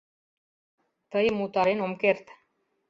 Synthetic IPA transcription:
t̪əjmut̪aɾenomkert̪

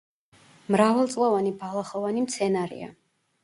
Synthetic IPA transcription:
mɾavɛlˠt̪sʼlˠɔvanibalˠaχɔvanimt̪sʰɛnaɾḭa̰

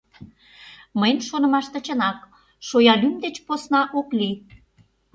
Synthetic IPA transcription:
məjnʃonə̆mɑʃt̪ə̆t͡ɕə̆nɑk | ʃojɑlymd̪et͡ɕposnɑʔokli

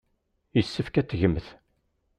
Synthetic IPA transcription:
jəsːəfkæt͡sːʝəmːθ

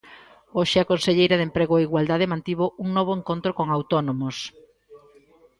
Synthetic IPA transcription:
oʃɪakonseʎejɾaðempɾeɣoaiɣwald̪aðemãnt̪iβoʔuŋnɔβ̞oeŋkont̪ɾokoŋawt̪onomos

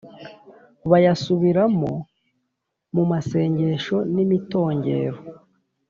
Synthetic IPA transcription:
βajasuβiɾamo | mumase̞ːɲɟe̞ʃo̞nimito̞ːɲɟe̞̰ːɾo

